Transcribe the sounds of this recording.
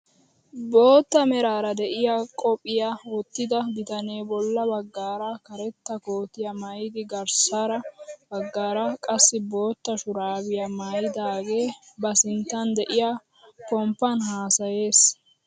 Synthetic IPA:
bo̞ːt̪ːɐmɛɾaːɾɐd̪ɛʔɪjakʼɔpʼɪjawɔt̪ːɪd̪ɐbɪt̪ɐne̞ːbɔlːɐbɐɡːaːɾɐkɐɾɛt̪ːɐko̞ːt̪ɪjɐmɐjɪd̪ɪɡɐɾsaɾɐbɐɡːaːɾɐkʼɐsːɪbo̞ːt̪ːɐʃʊɾaːbɪjɐmajɪd̪aːɡe̞ːbɐsɪnt̪ːɐnd̪ɛʔɪja | kɔmpːɐnɦaːsɐje̞ːs

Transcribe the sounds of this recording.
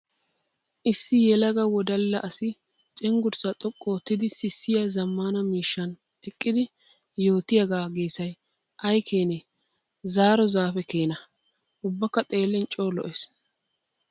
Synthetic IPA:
ʔɪsːɪjɛlɐɡɐwɔd̪ɐlːɐʔɐsɪ | t͡ʃʼɛŋɡʊɾt͡sɐt̪ʼɔkʼːoːt̪ːɪd̪ɪsɪsːɪjɐzɐmːaːnɐmiːʃːɐn | ɛkʼːɪd̪ɪ | jo̞ːt̪ɪjɐɡaːɡeːsɐj | ʔɐjkʰeːnɛ | zaːɾɔzaːfɛkeːnɐ | ʊbːɐkːɐt̪ʼe̞ːlːɪnt͡ʃʼo̞ːlɔ̰ʔes

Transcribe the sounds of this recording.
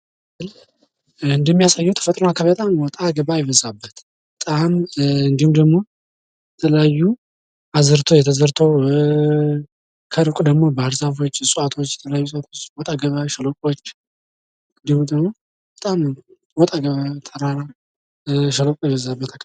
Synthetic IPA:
ɨl | ɨnd̪əmːijasajːɛwt̪ʰə̥fət̪ʼɾonakʰaβt̪ʼamwɔt̪ʼaɡəβajɛβəzabːət̪ | bət̪ʼamɨnd̪ihumd̪əɡmo̞ | jɛt̪ʰələjajːu | ʔazɨɾt̪ʰojɛt̪ʰəzəɾt̪ʰow | kʰəɾɨkʼud̪əɡmo̞bəaɾzafo̞t͡ʃːsʼuat̪ʰo̞t͡ʃːjɛt̪ʰələjajːusʼat̪ʰo̞t͡ʃːwɔt̪ʼaɡəβəʃəlokʼot͡ʃː | ɨnd̪ihumd̪əɡmo̞ | b̥ət̪ʼam | wɔt̪ʼaɡəβət̪ʰəɾaɾa | ʃəlokʼjɛβəzabːət̪ʰak

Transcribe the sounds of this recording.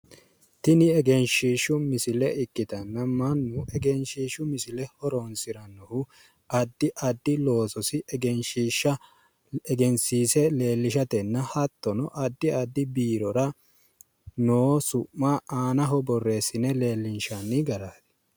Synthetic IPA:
t̪ɪnɪɛɡɛnʃiːʃʊmɪsɪlɛɪkːɪt̪ɐnːɐmɐnːʊʔɛɡɛnʃiːʃʊmɪsɪlɛhɔɾɔnsɪɾɐnːɔhʊ | ɐd̪ːɪʔɐd̪ːɪlo̞ːsɔsɪʔɛɡɛnʃiːʃːɐ | ɛɡɛnsiːsɛle̞ːlːɪʃɐt̪ɛnːɐhɐt̪ːɔnɔʔɐd̪ːɪɐd̪ːɪbiːɾɔɾɐ | noːsʊʔːaːaːnɐɦɔbɔrːe̞ːsɪnɛle̞ːlːɪnʃɐnːɪɡɐɾaːd̪ɛ̥

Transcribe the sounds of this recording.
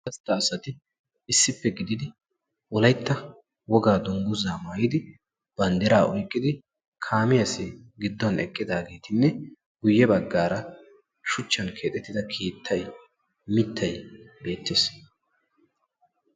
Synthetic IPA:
kɐst̪ːɐːsɐt̪ɪː | sːɪpːɛɡɪd̪ɪd̪ɪ | wɔlɐjt̪ːɐ | wɔɡaːd̪ʊŋɡʊzaːmaːjɪd̪ɪ | b̥ɐnd̪ɛɾaːʔɔjkʼːɪd̪ɪ | kʰaːmɪjɐsɪɡɪd̪ːɔnɛkʼːɪd̪aːɡe̞ːt̪ɪnːɛ | ɡʊjːɛbɐɡːaːɾɐ | ʃʊt͡ʃːɐnkʰe̞ːt̪ʼɛt̪ːɪd̪ɐkʰiːt̪ʰːɐj | mɪt̪ʰːɐjbe̞ːt̪ːes

